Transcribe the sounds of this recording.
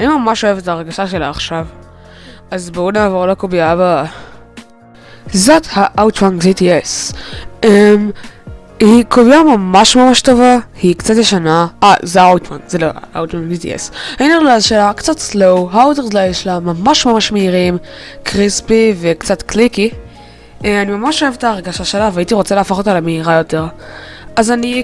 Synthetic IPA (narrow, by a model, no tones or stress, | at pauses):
haimamamaʃoevetaːʁɡaʃaʃelaːχʃav | azbonaːvoʁlokobiaba | zathaʔawtwãŋɡzities | em | hikobiamamaʃmamaʃtovahikt͡satjeʃanaʔazeaawtwa̰ŋzelo̰a̰ʔa̰wtwaŋɡzitḭḛsainilazʃelakt͡satslowɦaodeʁzlaeʃlamamaʃmamaʃmeiʁim | kʁispivekt͡satkliki | eanimamaʃoevetaːʁɡaʃaʃe̞laveaitiʁo̞t͡salaːfaχotalameiʁajo̞te̞ʁ | azani